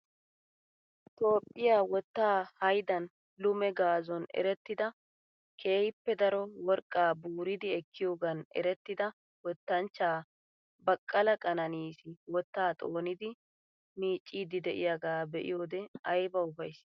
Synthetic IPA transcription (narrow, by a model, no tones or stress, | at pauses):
t̪ʼo̞ːpʼːɪjaːwɔt̪ːaːhɐjd̪ɐn | lʊmɛɡaːzɔnɛ̰ɾɛt̪ːɪd̪ɐ | kʰe̞ːjɪpːɛd̪ɐɾɔwɔɾkʼːaːbuːɾɪd̪ɪɛkʰːɪjo̞ːɡɐnɛ̰ɾɛt̪ːɪd̪ɐ | wɔt̪ːɐnt͡ʃːaː | bɐkʼːɐlɐkʼɐnɐniːsɪwɔt̪ːaːt̪ʼo̞ːnɪd̪ɪ | miːt͡ʃʼːiːd̪ɪd̪ɛʔɪjaɡaːbɛʔɪ̰jo̞ːd̪ɛɐjbɐʊfɐjs